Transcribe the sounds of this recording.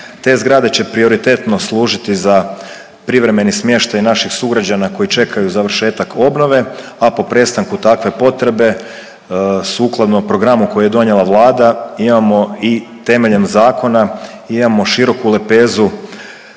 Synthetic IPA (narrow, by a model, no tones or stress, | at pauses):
t̪e̞ːzɡɾad̪e̞t͡ɕe̞pɾio̞ɾit̪e̞t̪no̞slˠuːʒit̪iza | pɾiʋɾe̞me̞nismje̞ʃt̪ajnaʃixsuɡɾad͡ʑanako̞it͡ʃe̞kʰajuzaʋr̩ʃe̞ːt̪akʰo̞bno̞ʋe̞apo̞pɾe̞st̪aŋkut̪akʋe̞po̞t̪ɾe̞be̞ | suːklˠad̪nopɾo̞ɡɾamuko̞juje̞d̪o̞ɲje̞lˠaʋlˠaːd̪aimamo̞it̪e̞me̞ʎe̞mzaːko̞na | imamo̞ʃiɾo̞kule̞pe̞ːzu